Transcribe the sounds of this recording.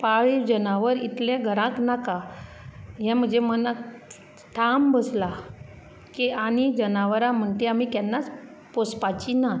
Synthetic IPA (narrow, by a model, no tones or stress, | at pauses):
paɭid͡ʑənaʋəɾit̪lẽɡʱəɾãknaka | ɦɛ̃m̤ə̃d͡zeməna | t̪ʰambəsla | kiaɽ̃id͡ʑənaʋəɾãm̤əɳt̪eamikɛnːat͡s | pospat͡ɕina